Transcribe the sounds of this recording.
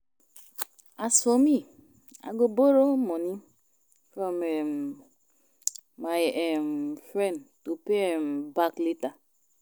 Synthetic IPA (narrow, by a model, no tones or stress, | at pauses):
asɔmi | a̰ɡoboɾomɔni | fɾɔme | ajemfɾɛ̃ntupembaklita